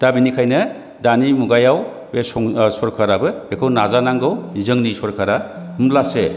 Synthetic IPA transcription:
d̥abinikʰajnɯ | danimuɡajaw | besɔŋsɔɾkʰaɾabɯbekʰɯwnazanaŋɡɯwzɯŋnisɔɾkʰaɾa | mlase

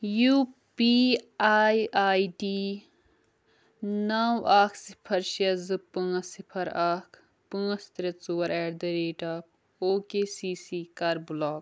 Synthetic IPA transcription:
jupiaːjaːiɖiː | nawaːkʰsi̥pʰɐɾʃɐzɨpɨ̃ːɐsipʰɐɾɐkʰ | pɨ̃ːɐst̪ɾɐt͡suwɐɾʔɛɾd̪ɐɾeːʈɐːp̚ʰ | oːkeːsiːsiːkɐɾblɔːk

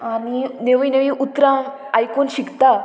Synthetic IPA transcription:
anineʋineʋiʔut̪ɾa | ajkonɕikt̪a

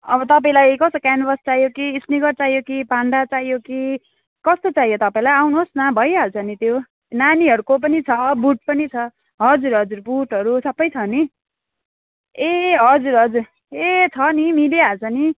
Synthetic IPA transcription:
ʌbʌt̪ʌp̬aĩlajkʌsokanbʌst͡saijokiːsniɡʌrt͡saijokipaɳɖat͡sajoki | kʌst̪ot͡saɦjot̪ʌpaĩlajawnuɦosnʌbʱʌjɦalt͡sʰʌnit̪jo | naniɦʌɾukop̬ʌnit͡sʰʌbuʈ̚pʌnit͡sʰʌ | ɦʌd͡zuɾɦʌd͡zuɾbuʈɦʌɾusʌbʌjt͡sʰʌni | eɦʌd͡zuɾɦʌd͡zur | et͡sʰʌnimiɖijaɦalt͡sʰʌni

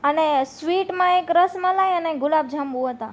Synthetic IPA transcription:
ənesʋiʈmãekɾəsmãlajəneɡʊlab̚d͡ʒʱamʋũɦət̪a

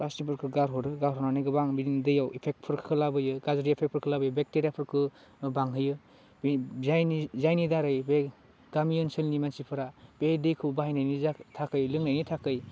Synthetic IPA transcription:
ɾasnipʰɯɾkʰɯɡaɾɦɔɾɯɡaɾɦɔnanɯjɡɯbaŋbidindɯjawipʰek̚t̚pʰɯɾkʰɯ̥kʰɯlabɯjɯɡazɾijapʰek̚pʰɯɾkʰɯlabɯjɯbek̚teɾjapʰɯɾkʰɯ | baŋɦɯjɯ | bzajnizajnidaɾɯjbe | ɡamiɯnsɯlnimansipʰɯɾab̥edejkʰɯbaɦijnajnitʰakɯjlɯŋnajnitʰakɯj

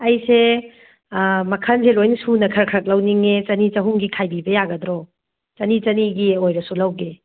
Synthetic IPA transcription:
ɐjse | mɐkʰɐnselojnsunɐkʰɐɾkʰɾɐk̚lɐwniŋet͡ʃɐnit͡ʃɐɦuŋɡikʰajbibɐjaɡɐdɾɔ | t͡ʃɐnit͡ʃɐniɡiojɾɐsulɐwɡe

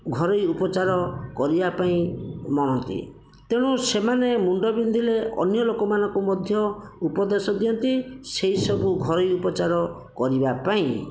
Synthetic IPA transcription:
ɡʱɔɾɔjupɔt͡ʃaɾɔkɔɾibapaĩmɔɽ̃ɔnt̪ḭ | t̪eɽ̃usemanemuɳɖɔbind̪ʱileʔɔ̰njɔlokɔmanɔŋkumɔd̪ʱjɔupɔd̪esɔd̪iɔnt̪iseisɔbuɡʱɔɾɔjupɔt͡ʃaɾɔ | kɔɾibapaĩ

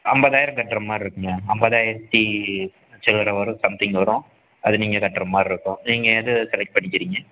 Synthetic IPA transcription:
ɐmbɐðaːjɪɾɐ̃mkɐʈːɾɐmːaːɾɪɾɯkːɯŋɡɐɐmbɐðaːjɪɾɐt̪ːi | t͡ʃɛlɐɾɐʋɐɾɯ̃sɐmt̪ɪŋɡʋɐɾʊ̃ | ɐðɯniːŋɡɐkɐʈːɾɐmːaːɾɪɾɯkːʊ̃niːŋɡɐɐðɯsɛlɛk̚ʈ̚pɐɳːɪkːɪɾiːŋɡɐ

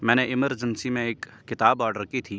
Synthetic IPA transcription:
mɛ̃ːneʔɪməɾd͡ʒənsimẽeːkːɪt̪aːbɔːɾɖəɾkit̪ʰiː

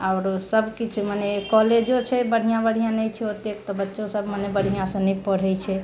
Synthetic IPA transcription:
aʊɾsəbʱkit͡ʃʰmanekɔled͡ʒot͡ʃʰɛbəɽ̤ijãbəɽ̤ijãnɛjt͡ʃʰɛɦot̪ek̚t̪ɔbətːʃõsəbʱmanebəɽ̤ijãsə̃nɛpəɽ̤ɛjt͡ʃʰɛ

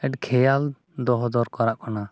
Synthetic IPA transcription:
ɛʈkʰɛjal | d̪ɔɦɔd͡ʒɔɾkɔɾaʔkɔna

